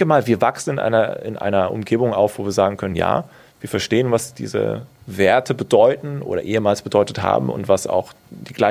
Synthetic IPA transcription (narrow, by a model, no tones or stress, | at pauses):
kəmaːlviːɐvaksn̩ɪnʔa̰ɪnɐ̰ɪ̰nʔa̰ɪnɐʔʊ̰mɡeːbʊŋa̰ʊfv̥oːviːɐzaːɡŋ̩kʰœnənja̰ː | viːɐfɛɐʃteːənvasd̥ḭːzə̰veːɐtʰəbədɔʏtn̩ʔo̰ːɾɐ̰ʔeːəmaːlsb̥ədɔʏtətha̰ːbm̩ʊ̰ntv̥asa̰ʊx | d̥iːɡ̥laɪ